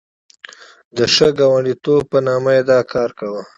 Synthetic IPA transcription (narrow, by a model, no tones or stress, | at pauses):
d̪əʂəɡɑwaɳɖit̪ob̚pənɑmajed̪ɑkɑːɾkawə